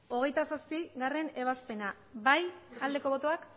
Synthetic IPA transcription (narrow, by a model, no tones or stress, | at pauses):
o̞ɣ̞e̞jt̪asaspiɣare̞ne̞β̞aspe̞na | bajald̪e̞ko̞βo̞t̪o̞ak